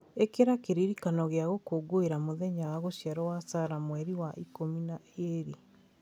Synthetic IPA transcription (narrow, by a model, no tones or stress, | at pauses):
ekeɾakeɾiɾikanɔɣeaɣokoɡoeɾamoðɛɲawaɣosjaɾɔwasaɾamwɛɾiwaʔikominaeɾi